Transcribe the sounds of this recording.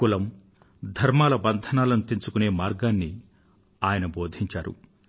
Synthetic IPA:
kulɐm | d̪ʱɐɾmaːlɐbɐnd̪ʱɐnaːlɐnut̪iɲt͡ʃukune̞ːmaːɾɡaːnːi | aːjɐnɐboːd̪ʱiɲt͡ʃaːɾṵ

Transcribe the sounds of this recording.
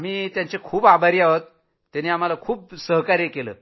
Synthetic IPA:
amiːt̪jãɲt͡ɕekʰuːbabʱaɾiaɦot̪ː | janiːam̤alakʰuːp̚səɦkaɾjekelə̰ː

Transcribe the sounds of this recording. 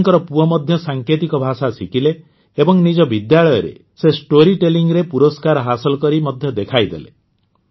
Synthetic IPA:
ŋkɔɾɔpuɔmɔd̪ʱjɔsaŋkʰet̪ikɔbʱasasikileː | bɔŋnid͡ʒɔbid̪jaɭɔjɔɾḛsesʈoɾiʈeliŋɾepuɾɔskaɾɔɦasɔlɔkɔɾimɔd̪ʱjɔd̪ekʰajd̪elḛ

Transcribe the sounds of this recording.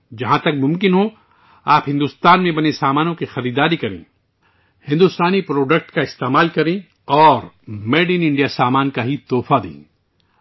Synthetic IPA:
d͡ʒɐɦãt̪ɐk̚mʊ̃mkɪnɦo | aːpɦɪ̃nd̪ʊst̪aːnmẽbɐnesaːmaːnõkixɐɾiːd̪aːɾikɐɾḛ̃ː | hɪ̃nd̪ʊst̪aːnipɾoːɖək̚ʈkaɪst̪eːmaːlkɐɾẽː | ɔːɾ | meːɖinɪ̃ɳɖijasaːmaːnkaɦit̪oːfad̪ḛ̃ː

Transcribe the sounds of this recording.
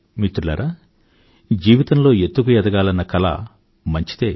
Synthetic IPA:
mit̪ɾulɐ̰ɾʔa | d͡ʒiːʋit̪ɐnlo̞ːet̪ːukujɛd̪ɐɡaːlɐnːɐkɐlɐ̰ | mɐɲt͡ʃi̥t̪eː

